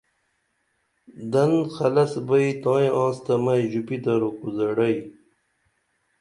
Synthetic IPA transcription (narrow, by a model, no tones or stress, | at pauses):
d̪ɐnxɐlɐsbɐit̪ɑ̃ːjẽʔɑ̃ːst̪ɐmɐjʑupid̪ɐɾukuzɐɽɐj